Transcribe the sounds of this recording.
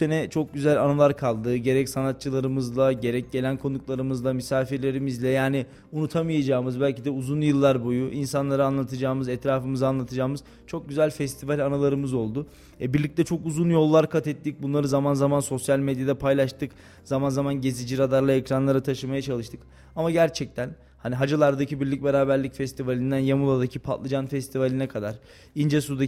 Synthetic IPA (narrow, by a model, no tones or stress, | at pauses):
enɛt͡ʃʰo̞k̚ɟyzælʲanalˠaɾkʰalˠd̪ɯɟe̞ɾɛcsanat̪̚t͡ʃʰɯlˠaɾɯmɯzlˠaɟe̞ɾɛc̚ɟe̞lʲænkʰo̞nuklˠaɾɯmɯzlˠamisaːfiɾlʲe̞ɾimizlʲɛjaːnɪ | unut̪ʰamɯjad͡ʒaːmɯzbælʲcid̪ɛuzunjɯlˠːaɾbo̞juʔinsanlˠaɾɯanlˠat̪ʰɯd͡ʒaːmɯzɛt̪ɾaːfɯmɯzanlˠat̪ʰɯd͡ʒaːmɯz̥ | t͡ʃʰo̞k̚ɟyzælʲfɛst̪ʰivalʲanalˠaɾɯmɯzo̞lˠd̪ʊ | ɛbiɾlʲic̚t̪ɛt͡ʃʰo̞kuzunjo̞lˠːaɾkʰat̪ʰɛt̪ːic̚bunlˠaɾɯzamanzamanso̞sjalʲmed̪jad̪ɛpʰajlˠaʃt̪ʰɯk | zamanzamanɟe̞zid͡ʒiɾad̪aɾlˠaɛcɾanlˠaɾat̪ʰaʃɯmajat͡ʃʰalˠɯʃt̪ʰɯk | amaɟæɾt͡ʃʰɛc̚t̪ʰæn | haniɦad͡ʒalˠaɾd̪acibiɾlʲicʲbeɾaːbæɾlʲicfɛst̪ʰivalʲind̪ænjamulˠad̪acʰipʰa̰t̪lˠɯd͡ʒanfɛst̪ʰivalʲinɛkʰad̪aɾ̥ | ind͡ʒɛsud̪a